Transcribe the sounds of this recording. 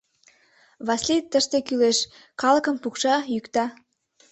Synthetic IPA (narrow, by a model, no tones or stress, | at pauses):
βɑslit̪ːəʃt̪ekyleʃ | kɑlə̆kə̆mpukʃɑjykt̪ɑ